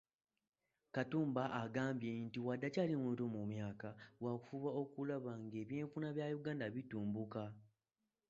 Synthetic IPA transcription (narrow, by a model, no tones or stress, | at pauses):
katuːmbaʔːɡaːmbjentiwadːacaːlimwuːtomumjaːkawaku̥fuβao̞kulaβaŋɡe̞ːβje̞ːɱfunaβjajuɡaːndaβituːmbuka